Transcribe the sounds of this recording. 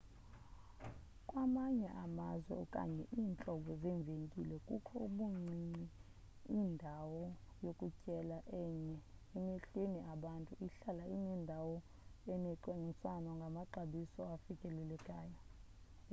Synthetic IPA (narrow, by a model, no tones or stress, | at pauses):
kʼwamaɲɛʔamazwɛ̰ɔkʼa̰ɲɛʔiːnt͡ɬʼɔɓɔzɛɱb̪vʱeŋkʼilɛkʼukʰɔuɓuŋ͡ǀʱini | indʱawɔjokʼucʼɛlaʔɛɲɛɛmeɬweniʔaɓantʼuiɬalainɛndʱawɔ | ɛnɛǃwaŋiswanɔŋɡʱamaǃaɓisɔafikʼɛlɛlɛkʼaːja